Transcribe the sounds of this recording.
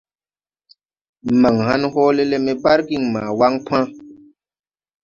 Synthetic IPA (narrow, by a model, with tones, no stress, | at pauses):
ma˨ŋha˦nhɔː˦le˦le˦mɛ˦ba˦ɾki˦˨ŋmã̰ː˨wa˦ŋpʰã˦